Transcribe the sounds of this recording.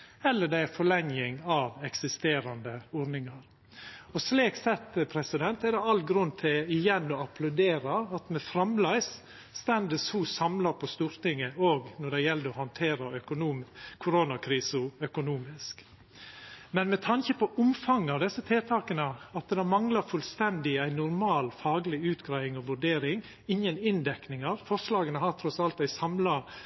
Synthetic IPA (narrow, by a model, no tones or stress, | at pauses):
ɛlːəɖ̪æɪæfɔɭɛŋjɪŋɑʋɛksɪst̪eːɾɑnd̪əɔɾnɪŋɑɾ | ɔsliːksɛt̪ːəpʰɾɛsɪd̪ɛnt̪æd̪ɛɑl̚ɡɾʉnːt̪ʰɪlɪjɛnːɔɑpʰlɑʉd̪eːɾɑɑt̪mɛfɾɑmlæɪsː | t̪ɛnd̪əshusɑmlɑɾpʰɔst̪uːɾt̪ɪŋːəoːɡnɔɖæjɛld̪əɔhɑnt̪ʰeːɾɑœkʊnuːkʰʊɾoːnɑkʰɾiːsʊœkʊnuːmɪsk | mɛnmɛt̪ʰɑŋçəpʰɔʔʊmfɑŋːɑʋd̪ɛsːət̪ʰeːt̪ʰɑːkənəɑt̪̚d̪ɛmɑŋləɾfʉlst̪ɛnd̪ɪæɪnʊɾmɑːlfɑːɡlɪʉːt̪ɡɾæɪɪŋɔʋʉɖeːɾɪŋ | ɪŋənɪnd̪ɛknɪŋɑɾfɔɾʂlɑːɡənəhɑɾt̪ʰɾɔsɑlt̪æɪsɑmlɑ